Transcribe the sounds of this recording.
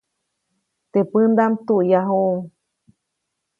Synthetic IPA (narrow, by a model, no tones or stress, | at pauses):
t̪epɨnd̪amt̪uʔjaɦuŋ